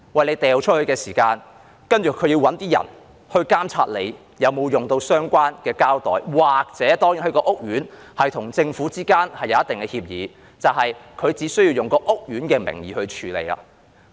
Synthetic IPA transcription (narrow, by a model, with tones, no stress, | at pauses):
wɐ˨jle˧jt̪ɛː˨wt͡ʃʰɵ˥t̚hɵ˧ɥkɛː˧siː˨˩kaː˧n | kɐ˥nt͡ʃyː˨˩kʰːɵ˨˧ɥjiː˧wɐ˨˥nt̪iː˥jɐ̰˨˩n | hɵ˧ɥkaː˥mt͡sʰa̰ː˧t̚lḛ˨˧j | jɐ˨˧wmo˨˧wjʊ˨ŋt̪o˧wsœː˥ŋkʷaː˥nkɛː˧kaː˥wt̪ɔ̰ː˨jwaː˨k̚t͡sɛː˨˥t̪ɔː˥ŋjiː˨˥hɐ˨˧kɔː˧ʔʊ˥k̚jyː˨˥n | hɐ˨jt̪ʰʊ˨˩ŋt͡sɪ˧ŋfuː˨˥t͡siː˥kaː˥nhɐ˨jːɐ˨˧wjɐ˥t̪ɪ˨ŋkɛː˧hiː˧p̚jḭː˨˧ | t͡sɐ˨whɐ˨jkʰɵ˨˧ɥt͡siː˨˥sɵ˥ɥji˧wjʊ˨ŋkɔː˧ʔʊ˥k̚ɥyː˨˥nkɛː˧mɪ̰˨˩ŋjiː˨˧hɵ˧ɥt͡ʃʰyː˨˧lḛ˨˧ja̰ː˧